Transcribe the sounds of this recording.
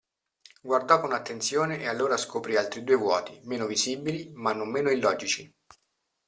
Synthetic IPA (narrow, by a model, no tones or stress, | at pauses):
ɡward̪ɔkːonat̪ːent̪sjoːneʔealːoːɾaskopɾialt̪ɾid̪uːevwɔːt̪imeːnoviziːbilimanːomːeːnoilːɔːd͡ʒit͡ʃi